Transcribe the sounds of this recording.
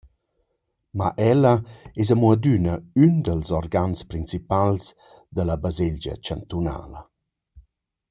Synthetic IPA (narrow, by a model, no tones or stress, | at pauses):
ma̰ʔɛlɐɛzamuəd̪ynəynd̪əlzɔrɡanspɾint͡sipals | d̪əlabazeʎd͡ʒə̰t͡ʃant̪una̰ːlə